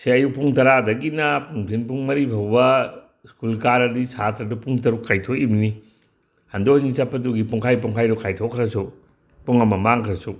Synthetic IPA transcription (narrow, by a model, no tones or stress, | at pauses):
seɐjupuŋtɐɾadɐɡinɐpuŋpʰinpuŋmɐɾibʰʱɐwbɐ | skulkaɾɐdisatɾɐdupuŋtɐɾukːajtʰoʔibni | hɐndonisapʰːɐtuɡipuŋkʰajp̬uŋkʰajɾukʰajtʰokʰɾɐsu | puŋɐmɐmaŋkʰɾɐsu